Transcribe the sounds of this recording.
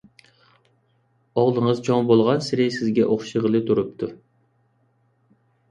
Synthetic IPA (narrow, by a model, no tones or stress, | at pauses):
ɑʁlˠəŋəzt͡ʃʰoŋbolˠʁɑnsɪɾɪsɪzɡʲɛʔoχʃəʁəlˠɨt̪ʰuɾup̚t̪ʰu